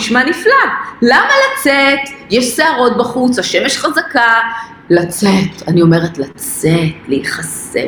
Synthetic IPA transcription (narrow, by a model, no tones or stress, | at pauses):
ʃmaniflalamalat͡setjeʃseaʁo̞t̚baχut͡saʃemeʃχazaka | lat͡set̪anio̞me̞ʁetlat͡setleiχas | ḛ